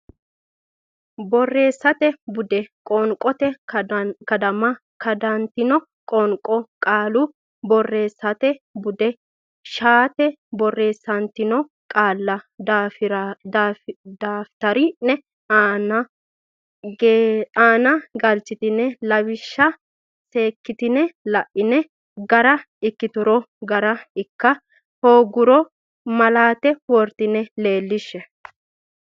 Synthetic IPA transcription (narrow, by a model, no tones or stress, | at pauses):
bɔrːeːsːɐt̪ɛbʊd̪ɛkʼɔŋkʼɔt̪ɛ | kɐd̪ɐmɐ | kɐd̪ɐnt̪ɪnɔ | kʼɔŋkʼɔkʼaːlʊ | bɔrːe̞ːsːɐt̪ɛbʊd̪ɛ | ʃaːt̪ɛ | bɔrːe̞ːsːɐnt̪ɪnɔ | kʼaːlːɐd̪afɾ | d̪aːft̪ɐɾɪnɛ | nɐ | aːnɐɡɐlt͡ʃːɪt̪ɪnːɛlɐβɪʃːɐ | se̞ːkːɪt̪ɪnɛlɐʔːɪnɛ | ɡɐɾɐ | ɪkːɪt̪ʊɾɔ | ɡɐɾɐɪkːɐ | hoːɡʊɾɔ | mɐlaːt̪ɛwɔɾt̪ɪnɛle̞ːlːɪʃːɛ